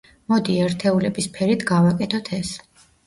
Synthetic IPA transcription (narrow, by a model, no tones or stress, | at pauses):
mɔd̪iɛɾt̪ʰɛulɛbispʰɛɾit̪ʰɡavakʼɛt̪ʰɔt̪ʰɛs